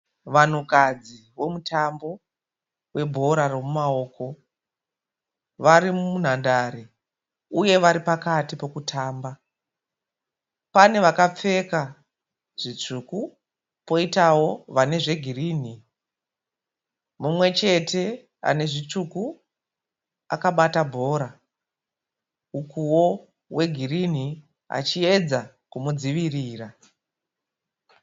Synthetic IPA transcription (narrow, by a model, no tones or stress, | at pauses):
ʋan̤ukad͡zi | wo̞mutʰambo̞ | we̞bʱo̞ɾaro̞mumao̞ːko | ʋaɾimun̤andaɾi | uje̞ʋaɾipakatipo̞kutʰaːmba | pane̞ʋakap͡fe̞ka | ʐ̥it͡ʂuku | po̞itawo̞ʋane̞ʐe̞ɡʱiriːn̤i | mumwe̞t͡ʃe̞tʰe̞ | a̰ne̞ʐit͡ʂuku | a̰kaɓatabʱo̞ːɾa | ukuwo̞ | we̞ɡʱirin̤i | a̰t͡ʃie̞d͡za | kumud͡ziʋiriːra